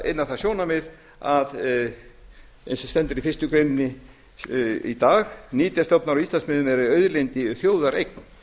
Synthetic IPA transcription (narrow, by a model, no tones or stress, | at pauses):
ḛnːaθasjɔːnamɪð | að | ɛnsst̪ɛnt̪ʏɾifɪst̪ʏkɾejnɪnːɪ | ḭt̪aːxniːt̪jast̪ɔpnaɾɔist̪ansmɪðʏmɛɾʏœɥðlejnt̪ɪθjoːwðaɾejkn